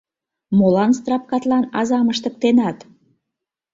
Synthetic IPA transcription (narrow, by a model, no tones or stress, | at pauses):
molɑnst̪rɑp̚kɑt̪lɑnɑzɑməʃt̪ə̆k̚t̪enɑt̪